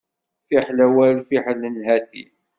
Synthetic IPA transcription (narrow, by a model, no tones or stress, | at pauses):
fiħlæwælfiħlənɦæθḭ